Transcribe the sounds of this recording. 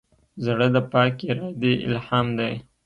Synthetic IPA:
zɽəd̪əpɑkeɾɑd̪eʔɪ̰lhɑmd̪aj

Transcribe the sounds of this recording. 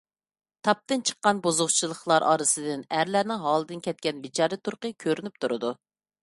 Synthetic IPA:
t̪ʰɑp̚t̪ɨnt͡ʃʰə̥qːɑnbozʊʁt͡ʃʰilˠəχlˠɑɾʔɑ̰ːɾɨsɨd̪ɪnæɾlæɾnɪŋɦɑːlˠɨd̪ɨnkʲʰɛt̪̚kʲɛnbit͡ʃʰɑːɾɨt̪ʰuɾqəkʲʰøɾynyp̚t̪ʰuɾɨ̰d̪u

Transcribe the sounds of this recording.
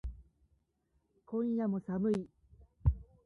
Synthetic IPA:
kõɰ̃jamo̞samɯi

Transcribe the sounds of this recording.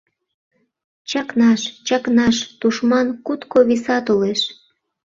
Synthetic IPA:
t͡ɕɑknɑʃt͡ɕɑknɑʃt̪uʃmɑnkut̪koβisɑt̪oleʃ

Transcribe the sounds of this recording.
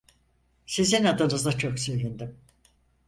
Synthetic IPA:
sizinad̪ɯnɯzd̪at͡ʃʰoksø̞jlʲend̪im

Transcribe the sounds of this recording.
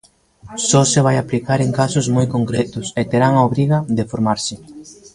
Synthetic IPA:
sɔsɪβ̞ajaplikaɾeŋkasʊzmojkoŋkɾɛt̪ʊset̪eɾaŋaoβɾiɣɐðefoɾmaɾsɪ

